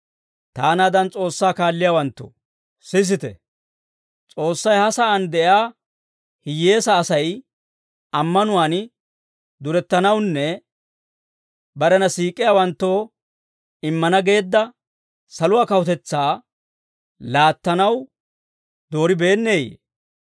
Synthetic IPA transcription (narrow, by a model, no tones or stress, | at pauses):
t̪aːnaːd̪ɐnt͡sʼo̞ːsːaːkaːlːɪjaːwɐnt̪ːo̰ | sɪs̬ɪt̪ɛ̰ | t͡sʼo̞ːsːɐjhɐsɐʔɐnd̪ɛʔjaː | hɪjːe̞ːsɐːsɐj | ɐmːɐnʊwaːn | d̪ʊɾɛt̪ːɐnɐwnːɛ | bɐɾɛnɐsiːkʼːɪjaːwɐnt̪ːoː | ɪmːɐnɐɡe̞ːd̪ːɐ | sɐlʊwaːkɐwʊt̪ɛt͡sːaː | laːt̪ːɐnɐw | d̪o̞ːɾɪbe̞ːnːe̞ːjḛ